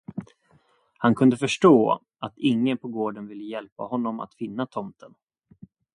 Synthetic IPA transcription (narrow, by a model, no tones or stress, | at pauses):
hankʰɵnd̪əfœʂʈoː | ʔat̪ɪŋːənpʰɔɡoːɖənvɪlːəjɛlpa̰hɔnːɔma̰t̪fɪnːat̪ʰɔmt̪ʰən